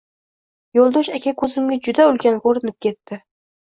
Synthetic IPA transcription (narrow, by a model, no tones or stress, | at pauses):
jolˠd̪oʃakʲʰakʰɵzɪmɡʲad͡ʒʊd̪aʊlkʲanɡʲoɾɪnɪp̚kʲe̞t̪ːɪ